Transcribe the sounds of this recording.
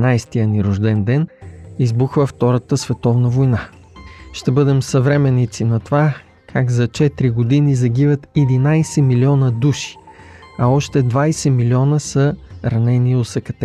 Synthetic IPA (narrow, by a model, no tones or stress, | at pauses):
najst̪ijəniɾʊʒd̪ɛnd̪ɛnizbuxvəft̪ɔɾət̪əsvɛt̪ɔvnəvojna | ʃt̪ɛbɤd̪ɛmsɐvɾɛmɛnːit̪sinɐt̪ova | kʰaɡzɐt͡ʃɛt̪ɾiɡod̪inizɐɡ̟ivət̪ɛd̪inajsɛmiliɔnəd̪uʃi̥ɐɔʃt̪ɛd̪vajsɛmilʲiɔnəsəɾɐnɛniosɐkɐt̪ɛ